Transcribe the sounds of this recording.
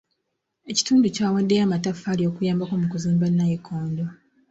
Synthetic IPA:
e̞ci̥tuːnducaːwadːejaːmatafːaːlio̞kujaːmbakomukuziːmbanːajekʰoːndo

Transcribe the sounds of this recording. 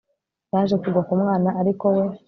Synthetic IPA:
aːʒekuɡwakumŋaːnaʔːɾiko̞we̞

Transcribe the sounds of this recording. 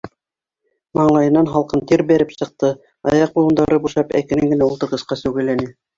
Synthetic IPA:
mɑɴlˠɑjɤ̆nːɑnɦɑlˠqɤnt̪iɾbæɾɘpsɤ̆q̚t̪ɤ | ɑ̰jɑq̚bulˠɤ̆nd̪ɑɾɤbuʃɑpæ̰kɘ̆nɘŋɡɘ̆næult̪ɤ̆ɾʁɤ̆sqɑsʉwɡɘ̆lːænɘ

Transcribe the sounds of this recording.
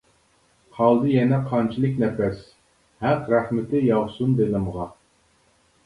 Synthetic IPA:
hɑlˠd̪ɨjɛnɛqʰɑnt͡ʃʰilˠɨkʲnɛfɛs | hæqɾæχmɪt̪ɪjɑʁsund̪elɨmʁɑ

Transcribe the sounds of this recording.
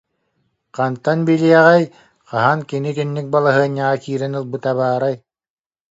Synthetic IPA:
qant̪anbiliɛʁɛj | qaɦankinik̪ynːik̚balˠaɦɯɐɲːaʁakiːɾɛnɯlˠbɯt̪aβaːɾaj

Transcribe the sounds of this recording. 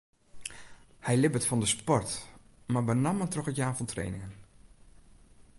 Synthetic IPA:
hɛjlɪbətfɑndəspɔrt | mabənɑmətrɔxətjaːfɔntʰrḛjnɪ̰ŋən

